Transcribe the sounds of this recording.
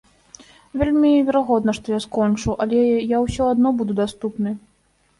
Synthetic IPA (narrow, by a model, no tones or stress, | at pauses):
vʲelʲmʲivʲɛɾaɣɔd̪nɐʂt̪ɔjaskɔnt͡ʂuʔɐlʲɛjawsʲɔad̪nɔbud̪ud̪ast̪upnɨ